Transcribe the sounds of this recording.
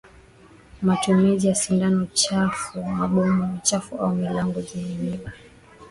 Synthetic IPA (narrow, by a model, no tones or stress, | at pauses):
matumizijasindanɔt͡ʃafumaɓɔmɔt͡ʃafuaumilaŋɡɔzinimiɓa